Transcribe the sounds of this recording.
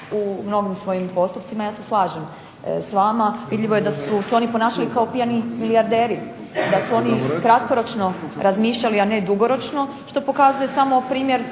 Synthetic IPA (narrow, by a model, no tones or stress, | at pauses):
umno̞ɡimsʋo̞jimpo̞st̪upt̪imajaːseslˠaːʒem | sʋaːmaʋid̪ʎiʋo̞je̞d̪asuseo̞nipo̞naːʃalikao̞pijanimilijaɾd̪eːɾi | d̪asuo̞nikɾat̪ko̞ɾo̞t͡ʃno̞ɾazmiːʃʎaliane̞d̪uɡo̞ɾo̞t͡ʃno̞ | ʃt̪o̞po̞kazuje̞samo̞pɾiːmje̞ɾ